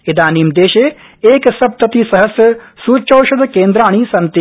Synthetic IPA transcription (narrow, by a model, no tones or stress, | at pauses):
ed̪aːniːmd̪eːʃeː | eːksɐb̚t̪ɐt̪iːsɐɦɐsjɐsuːt͡ʃowʃɐd̪ɐkeːnd̪ɾaːɳ̃iːsɐnt̪i